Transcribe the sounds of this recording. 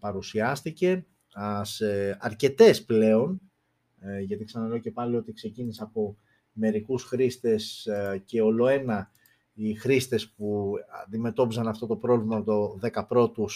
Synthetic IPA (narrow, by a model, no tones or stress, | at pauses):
pɐɾusiɐst̪ice̞ | ɐseɐɾce̞t̪e̞sple̞o̞n | ʝɐt̪iksɐnɐloce̞pɐlio̞t̪ikse̞ciniseɐpo̞ | me̞ɾikusxɾist̪e̞sce̞o̞lo̞e̞nɐ | ixɾist̪espuɐ̰nd̪ime̞t̪o̞pisɐnɐft̪o̞t̪o̞pɾo̞vimɐot̪o̞ðe̞kɐpɾo̞t̪us